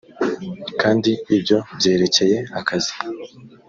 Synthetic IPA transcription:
kaːndiibjo̞bje̞ːɾe̞ce̞je̞akʰazi̥

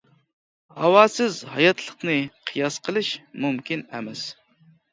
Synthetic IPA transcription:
hɑwɑːsɪzhɑjɑt̪ʰlˠəqnɨqʰɨjɑsqʰəlˠɨʃmumkʲinɛmɛs

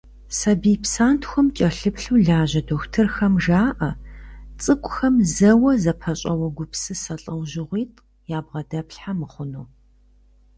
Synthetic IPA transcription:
sɐbijpsaːntʰxʷɔmt͡ʃʼɐɬɨpɬuːɮaːʑɐdoːxtʰɨrxɐmʒaːʔɐt͡sʼɨkʷʼʊxɐmzɐwɐzɐpʰɐɕʼɐwɐɡʷʊpsɨsɐɬʼɐwʒɪʁʷiːtʼ | jaːbʁɐdɐpɬħamɨχʷʊnuː

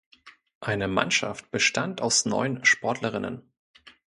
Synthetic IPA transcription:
ʔaɪnəma̰nʃa̰ft̚b̥əʃtʰantaʊsnɔ̰ʏənʃpɔɐtʰləʁɪnə̰n

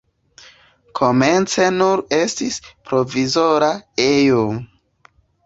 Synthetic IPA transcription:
kʰo̞me̞nt͡se̞nuɾe̞stispɾo̞vizo̞ɾaejo

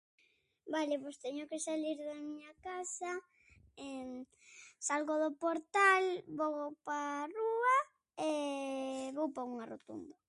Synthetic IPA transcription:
balepost̪ɛɲokesaliɾðamiɲakasa | e | salɣoðopoɾt̪alboɣowparua | e | βowpauŋarot̪ṵnd̪a

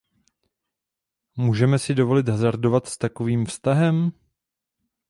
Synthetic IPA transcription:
muːʒɛmɛsɪdovo̞lɪt̪ɦazaɾdo̞vat̪st̪ako̞viːmfst̪aɦɛm

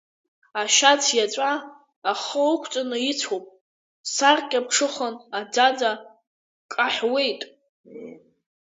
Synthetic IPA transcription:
aʃat͡sʰjat͡sʷʼaː | χəwkʷʰt͡sʼanɨit͡sʰopʼ | sarkʲʼap̚ʈ͡ʂʰɨχənad͡zad͡za | kʼaħwe̞jtʼ

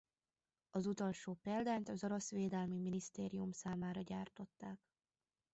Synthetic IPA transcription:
ɒzut̪o̞lʃoːpɛːld̪aːnt̪ɒzoɾo̞sʋeːd̪ɛlmiminist̪eːɾijumsaːmaːɾɒɟaːrt̪o̞t̪ːaːk

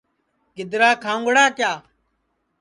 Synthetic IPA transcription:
ɡɪd̪ɾaːkʰãːŋɡɽaːkjaː

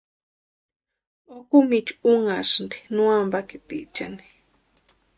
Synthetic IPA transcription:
okumit͡ʃuŋaʂnd̪i̥nũambakit̪ḭʔt͡ʃa̰ni̥

